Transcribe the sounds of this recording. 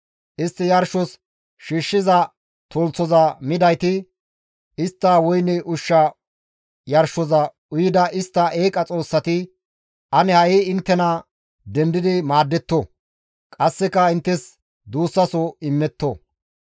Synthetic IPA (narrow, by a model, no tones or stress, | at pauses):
ʔɪst̪ːɪjɐɾʃɔs | ʃiːʃːɪzɐ | t̪oːlt͡sːɔzɐmɪd̪ɐjt̪ɪ | ɪst̪ːɐwɔjnɛʔʊʃːɐ | jɐɾʃɔzɐ | ʊjɪd̪ɐʔɪst̪ːɐʔeːkʼɐt͡sʼo̞ːsːɐt̪ɪ | ʔɐnɛhɐjiɪnt̪ːɛnɐ | d̪ɛnd̪ɪd̪ɪmaːd̪ːɛt̪ːɔ | kʼɐsːɛkːɐɪnt̪ːɛs | d̪uːsːɐsɔɪmːɛt̪ːɔ